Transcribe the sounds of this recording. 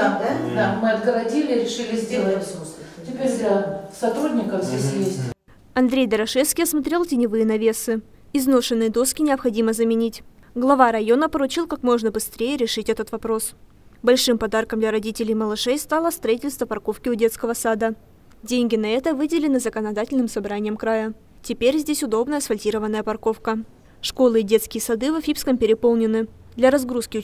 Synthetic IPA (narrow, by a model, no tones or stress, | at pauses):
namɨɐd̪ɡəvɐdʲilʲɪɾʲɪʂɨlʲɪzʲdʲelˠətʲɪpʲeɾʲd̪lʲɐsɐt̪ɾudʲnʲɪkəvzʲdʲesʲjesʲtʲ | ɐnd̪ɾʲejd̪ɐɾɐʂɛfskʲɪjɐsmɐt̪ɾʲe̞lˠtʲɪnʲɪvɨjənɐvʲe̞sɨ | ɪzno̞ʂɨnːɨjəd̪o̞skʲɪnʲɪəpxɐdʲiməzəmʲɪnʲitʲ | ɡlˠɐvaɾɐjonəpəɾʊt͡ɕilˠkakmo̞ʐnəbɨst̪ɾʲejəɾʲɪʂɨtʲɛt̪ət̪vɐpɾo̞s | bɐlʲʂɨmpɐd̪arkəmd̪lʲɐɾɐdʲitʲɪlʲɪjməlˠɨʂɛjst̪alˠəst̪ɾɐitʲɪlʲst̪vəpɐrko̞fkʲɪʊdʲe̞t̪skəvəsad̪ə | dʲenʲɡʲɪnɐɛt̪əvɨdʲɪlʲɪnɨzəkənɐd̪atʲɪlʲnɨmsɐbɾanʲɪjəmkɾajə | tʲɪpʲeɾʲzʲdʲesʲʊd̪o̞bnəjəsfɐlʲtʲiɾəvənːəjəpɐrko̞fkə | ʂko̞lˠɨdʲe̞t̪skʲɪjəsɐd̪ɨvɐfʲipskəmpʲɪɾʲɪpo̞lˠnʲɪnːɨ | d̪lʲɐɾɐzɡɾuskʲɪ